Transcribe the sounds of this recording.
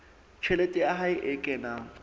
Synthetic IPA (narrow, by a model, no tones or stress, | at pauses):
t͡ʃʰɛletʼɪaɦaɪʔɪkʼɛːna